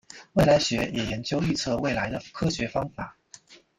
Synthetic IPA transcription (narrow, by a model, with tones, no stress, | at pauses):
we˥˩ɪla˧˥ɪɕɥɛ˧˥jɛ˨˩jɛ˧˥nt͡ɕjo˥˧ʊy˥˧t͡sʰɤ˥˧we˥˩ɪla˧˥ɪd̪ə˧kʰɤ˥ɕɥɛ˧˥fɑ˥ŋfa˨˩˦